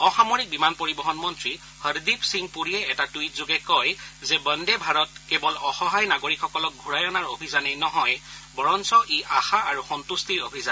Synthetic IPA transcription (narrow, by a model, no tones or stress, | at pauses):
ɔxamoɹik̚bimanpoɹibɔɦɔnmɔntɹi | həɹdipsiŋpuɹijɛɛtatuitzoɡɛkɔjzɛbəndɛbʱaɹɔtkebɔlɔxɔɦajnaɡoɹikxɔkɔlɔk̚ɡʱuɹajɔnaɹobʱizanejnɔɦɔjbɔɹɔnsɔʔiʔaxaaɹuxɔntustiɹobʱizan